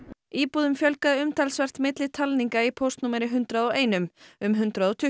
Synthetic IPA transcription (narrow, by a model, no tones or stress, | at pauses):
iːpuːðʏmfjœlkaʏmt̪ʰalsvɛr̥t̪mɪt̪lɪt̪ʰalniŋkaipʰowst̪numaɾɪɦʏnt̪ɾaðɔweːjnʏmʏmɦʏnt̪ɾaðɔt̪ʰʏ